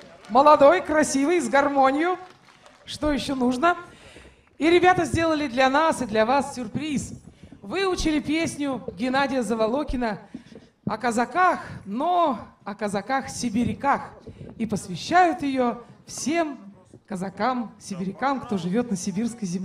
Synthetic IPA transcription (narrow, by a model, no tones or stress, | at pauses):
məlˠɐd̪o̞jkɾɐsʲivɨjzɡɐrmo̞nʲɪjʊ | ʂt̪o̞jɪɕːonuʐnə | iɾʲɪbʲat̪əzʲdʲe̞lˠəlʲɪd̪lʲɐnasɨd̪lʲɐvasːʲʊrpɾʲisvɨʊt͡ɕɪlʲɪpʲesʲnʲʊɡʲɪnadʲɪjəzəvɐlˠo̞kʲɪnə | ɐkəzɐkaxnoɐkəzɐkaxsʲɪbʲɪɾʲɪkaxipəsvʲɪɕːæjʊt̪jɪjo̞fsʲe̞m | kəzɐkamsʲɪbʲɪɾʲɪkamkt̪o̞ʐɨvʲo̞t̪nəsʲɪbʲirskəjzʲɪmlʲi